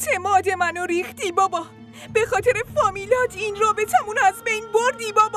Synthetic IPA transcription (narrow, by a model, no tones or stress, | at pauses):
t͡ʃʰemɒːd̪e̞mænoɾiːxt̪iːbɒːbɒː | b̥e̞xɒːt̪ʰe̞ɾefɒːmiːlɒːt̪ʰiːnɾɒːbe̞t͡ʃʰæmunæzbejnboɾd̪iːbɒːb